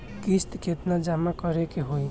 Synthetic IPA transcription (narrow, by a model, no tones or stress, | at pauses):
kist̪ket̪nad͡ʒamakɔɾekeɦoi